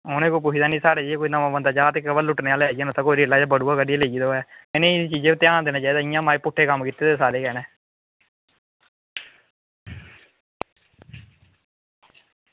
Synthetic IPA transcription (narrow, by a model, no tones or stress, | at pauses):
ɦoːnẽːkop̬ʊt͡ʃʰiːd̪aːnĩːsaːɽeːd͡ʒeeːkoːiːnãːmãːbənd̪aːt͡ʃaːt̪ekːəbəllʊʈneːaːlːaːiaːnãt̪ãːkoːɾiːlːaːd͡ʒaːbəɽuːaːkəɖialeiːd̪oːɛːɪnẽːit͡ʃiːd͡ʒẽːt̪ɪjaːnd̪eːnaːt͡ʃaːiːd̪aːɪjãːmaːiːpʊʈʰːeːkəmkiːt̪ːeːd̪esaːɾeːkɛːneː